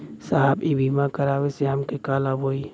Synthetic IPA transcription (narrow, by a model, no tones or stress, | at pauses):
saːɦəbibimãkɐɾaːweseɦɐmkekaːlabʱoːi